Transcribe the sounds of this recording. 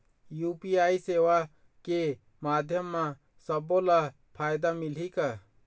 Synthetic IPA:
jupiaisewa | ke | maːd̪ʱjəmːa | səbola | pʰajd̪amilika

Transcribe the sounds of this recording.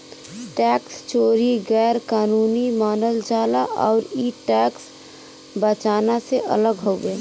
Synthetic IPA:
ʈɛkst͡ʃoːɾiɡɛːɾkaːnunimaːnəld͡ʒaːlaʔɔ̰ːɾiʈɛks | bət͡ʃaːnaseʔə̰ləɡɦobe

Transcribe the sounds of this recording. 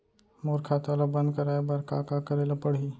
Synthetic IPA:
moːɾkʰaːt̪alabɐ̃nd̪kəɾaːebɐɾka̰ːkakəɾeːlapəɽ̤iː

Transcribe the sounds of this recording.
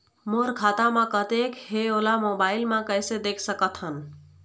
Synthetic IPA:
moɾkʰaːt̪amãkət̪ekɦeolamobaːilmãkəjsed̪ekʰsəkət̪ʰɦən

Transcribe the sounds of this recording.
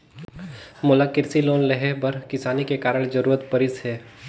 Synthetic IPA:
mʊlakɪɾsiloːnleɦɛɦbɐɾkɪsaːnikekaːɾəɽ̃d͡ʒɐɾuːɾət̪pɐɾɪsɦɛː

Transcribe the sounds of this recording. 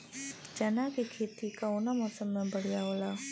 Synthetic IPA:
d͡ʒanakekʰet̪ʰikaunamɔsəmːə̃bəɽijaola

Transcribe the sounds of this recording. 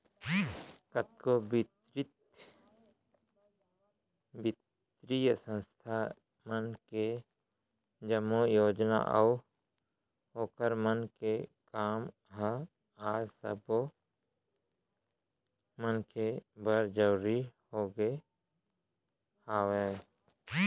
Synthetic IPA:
kət̪̚kobɪt̪ɾɪt̪ | bɪt̪ | ɾijəsə̃nst̪ʰa | mənke | d͡ʒəmojoːd͡ʒna̰ʔə̰ | ɦoːkəɾmənkekaːm | ɦa | aːsə̰bo | mənkebəɾd͡ʒəːɾihoːɡe | aːwe

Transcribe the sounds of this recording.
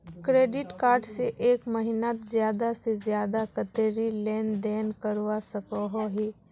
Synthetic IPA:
kɾeːɖɪʈkaːɾɖseʔeːkməɦɪnat̪zjaːd̪asezjaːd̪akət̪eːɾilɛːnd̪ɛːnkəɾwasəkəɦoɦiː

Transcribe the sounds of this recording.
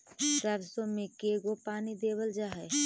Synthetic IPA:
təɾsõmẽkeːɡopaːnid̪eːwəld͡ʒaːɦɛ

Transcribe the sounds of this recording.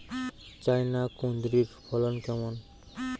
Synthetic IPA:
t͡ɕajnakond̪ɾiɾpʰɔlɔnkɛmɔn

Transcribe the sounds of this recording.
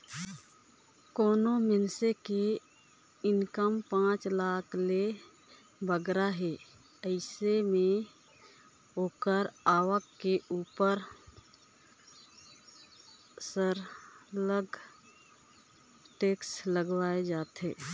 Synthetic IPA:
koːnomɪnseke | ɪnkəmpãːt͡ʃlaːkʰle | bʱəɡɾaɦeː | əɪsemẽ | oːkəɾaːwəkːeʔuːpəɾ | səɾləɡ | ʈeːksləɡʋaːed͡ʒaːt̪ɦḛː

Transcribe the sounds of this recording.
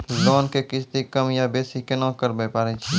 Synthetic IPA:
loːnkekɪt͡ʃt̪ikɐmjabeːsikenɔ̃ːkəɾbepaːɾet͡ʃʰi

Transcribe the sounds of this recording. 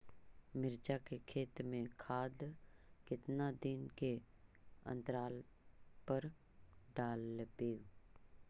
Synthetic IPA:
mɪɾd͡ʒakekʰeːt̪mẽkʰaːd̪kɪt̪nad̪ɪnke | ə̰̃nt̪ɾaːlpəɾ | ɖaːlbeːɡ

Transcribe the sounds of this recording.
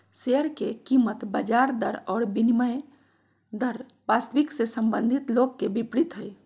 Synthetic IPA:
seəɾkekimət̪bəd͡ʒaːɾd̪əɾɔːɾbiniməj | d̪əɾ | baːst̪ʋiksesəmbə̃nd̪ʱit̪loːɡ̚kebipɾit̪ɦəj

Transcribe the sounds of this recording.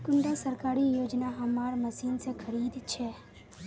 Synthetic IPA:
kʊnɖasəɾkaːɾijoːd͡ʒnaɦɐmaːɾməsiːnsekʰəɾiːd̪t͡ʃʰɛː

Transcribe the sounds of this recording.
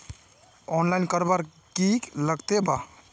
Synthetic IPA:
ɔnlajnkəɾbaɾ | kikləɡt̪eba

